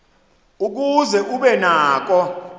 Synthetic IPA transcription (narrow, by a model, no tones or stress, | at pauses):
uk̬uzɛʔuɓɛnaːk̬ɔ